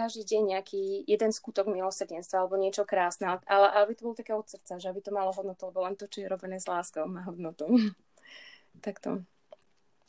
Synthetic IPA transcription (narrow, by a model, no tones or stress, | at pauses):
aʒd̪iːɟɛɲɲɛakʰiːjɛd̪ɛnskuːt̪ɔɡmilɔsrɟɛnst̪ʋaalɛbɔɲɪɛt͡ʃɔkɾaːsnɛʔalɛʔabit̪ɔbɔlɔt̪akɛːɔt̪sr̩t͡saʒɛabit̪ɔmalɔɦɔd̪nɔt̪ulɛbɔlɛnt̪ɔt͡ʃɔjɛɾɔbɛnɛːzlaːskɔmaːɦɔd̪nɔt̪u | t̪akt̪ɔ̰